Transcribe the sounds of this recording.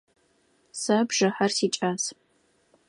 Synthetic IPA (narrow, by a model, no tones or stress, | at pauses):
sɐbʒ̥ɨħɐrsiːt͡ʃʼas